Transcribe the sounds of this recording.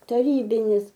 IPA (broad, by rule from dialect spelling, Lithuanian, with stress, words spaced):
tɐˈrʲiːbʲɪnʲɪs